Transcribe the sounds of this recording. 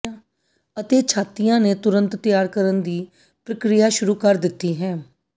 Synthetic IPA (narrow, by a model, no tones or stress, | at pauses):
ãː | ət̪eːt͡ʃʰaːt̪ɪjãːneːt̪ʊɾənt̪t̪ɪjaːɾkəɾənd̪iː | pɾəkɾɪjaːʃʊɾuːkəɾd̪ɪt̪ːiːɦɛ̃ː